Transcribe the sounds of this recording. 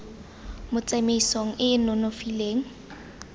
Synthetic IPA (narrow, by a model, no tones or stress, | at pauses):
mʊt͡sameisoŋ̩ʔɪɪnɔnofileːŋ̩